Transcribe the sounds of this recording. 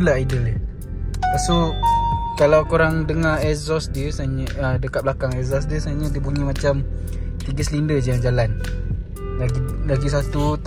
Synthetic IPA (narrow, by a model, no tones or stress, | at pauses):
laʔidələ | pasu | kalawkoɾaŋdəŋaɛzɔsdiəsaɲəədəkat̪̚blakaŋɛzɔs̬diəsaɲədibuɲimat͡ʃam | t̪iɡəsəlindəd͡ʒaad͡ʒalan | laɡis̬at̪ut̪